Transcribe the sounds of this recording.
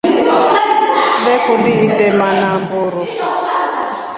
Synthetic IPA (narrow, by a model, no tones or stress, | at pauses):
lɛkɔndiitɛmanambuːɾɔ